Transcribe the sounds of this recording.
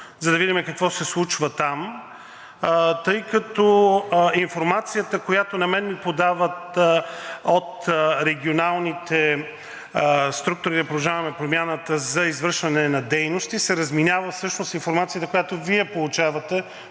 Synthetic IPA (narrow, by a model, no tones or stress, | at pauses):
zɐd̪ɐvid̪imɛkɐkvɔsɛslˠut͡ʃvɐt̪am | t̪ɤjkɐt̪ɔinfoɾmat̪sijət̪əkojat̪onɐmɛnmipod̪avət̪ | ot̪ɾɛɡ̟ionalˠnit̪ɛ | st̪ɾuk̚t̪ʊɾid̪ɐpɾolˠɐʒavɐmɛpɾomjanət̪əzɐizvɤɾʃvɐnɛnɐd̪ɛjnost̪isɛɾɐzminʲavəfsɤʃnosinfoɾmat̪sijət̪əkojat̪oviɛpolˠut͡ʃavɐt̪ɛ